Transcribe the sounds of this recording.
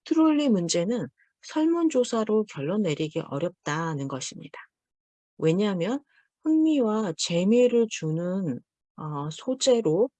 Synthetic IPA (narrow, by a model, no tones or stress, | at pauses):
tʰɯɾoɭːimund͡ʑe̞nɯn | sʰʌɭmund͡ʑosʰaɾokjʌɭːʌnːe̞ɾiɡḛʔʌ̰ɾjʌp̚t͈anɯnɡʌɕʰimɲid̥a | wʔe̞ɲamjʌn | ɸɯŋmiwat͡ɕe̞miɾɯɭt͡ɕunɯn | ʌsʰod͡ʑe̞ɾo